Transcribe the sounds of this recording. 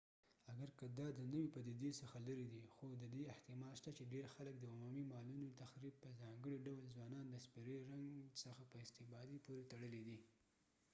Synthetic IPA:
aɡaɾkad̪ɑd̪ənəwipad̪id̪esəxaləɾid̪ixod̪əd̪eɪht̪ɪmɑlʃt̪at͡ʃeɖeɾxalək̚d̪əʊmumimɑlunot̪axɾib̚pəzɑŋɡəɽiɖawəlzwɑnɑnd̪əspiɾəɾaŋɡsəxapəɪst̪ɪbɑd̪ipoɾet̪aɽəlid̪i

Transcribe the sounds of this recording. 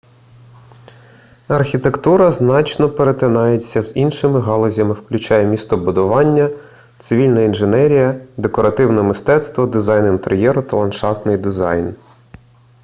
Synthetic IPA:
ɐrxʲit̪e̞kt̪uɾɐznɑt͡ʃnɔpeɾet̪ɪnɑjet͡sʲːɐz̥inʃɪmɪɦɑlˠɔzʲɐmɪwklʲʊt͡ʃɑjɛmʲist̪ɔbʊd̪ʊʋɑnʲːɐ | t̪sɪʋʲilʲnɐinʒenɛɾʲijɐd̪e̞kɔɾɐt̪ɪwnɛmɪst̪ɛt̪st̪ʋɔd̪ɪzɑjnɪint̪ḛɾʲjɛɾʊt̪ɐlˠɐnʃɑft̪nɪjd̪ɪzɑ̰jn

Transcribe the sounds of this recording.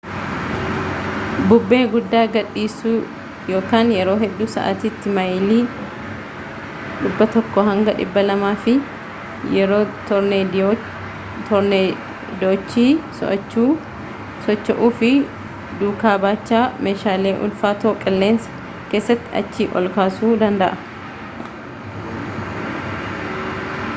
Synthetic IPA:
bʊbːe̞ːɡʊd̪ːaːɡɐᶑiːsuː | jo̞ːkaːnjɛɾo̞ːɦɛd̪ːuːsɐ̰ʔa̰t̪it̪ːɪmɐjliː | ᶑɪbːɐt̪ɔkːɔɦɐŋɡɐᶑɪ̰bːɐlɐmaːfɪ | jɛɾoːt̪ɔɾneː | d̪oːt͡ʃːiːsɔ̰ʔɐt͡ʃːuː | sɔt͡ʃːɐʔuːfɪ | d̪uːkaːbaːt͡ʃːaːmeːʃaːle̞ːʔʊ̰lfaːt̪oːkʼɪlːe̞ːnsɐ̥ | ke̞ːsːɐt̪ːɪɐ̰t͡ʃːiːʔɔ̰lkaːsuːd̪ɐnd̪ɐʔɐ

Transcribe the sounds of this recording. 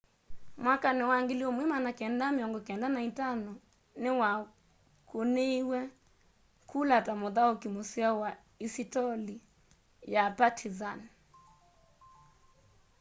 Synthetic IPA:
mwakanɪwaŋɡiliɔmwimanakɛndamiɔŋɡɔkɛndanaitanɔ | nɪwa | kuneiwɛ | kʰulatamoðaokimosiawa | isitɔli | japatʰizan

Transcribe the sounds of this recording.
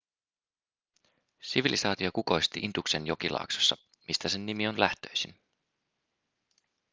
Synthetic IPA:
siʋilisɑːt̪iokuko̞jst̪iʔint̪ukse̞njo̞kilʔɑ̰ːkso̥sːɑ | mist̪æse̞nːimio̞nlæht̪ø̞jsin

